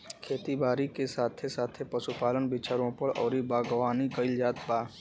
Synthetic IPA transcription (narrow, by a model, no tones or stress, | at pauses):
kʰeːt̪ibaːɾikesaːt̪ʰesaːt̪ʰepɐsupaːlənbit͡ʃʰaɾõpəɽɔ̰ːɾibaːɡʋaːniɡəɪld͡ʒaːt̪baː